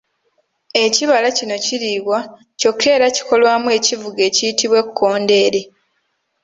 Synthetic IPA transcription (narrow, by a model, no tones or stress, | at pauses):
e̞ciβalacino̞ciɾiːβwa | co̞kʰːe̞ːɾaci̥ko̞lwaːmue̞civuɡe̞ːcijitiβwe̞kkʰːo̞ːnde̞ːɾe̞